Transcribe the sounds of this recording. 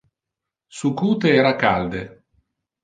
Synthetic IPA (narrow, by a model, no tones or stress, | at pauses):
sukuːt̪eɛːɾakald̪e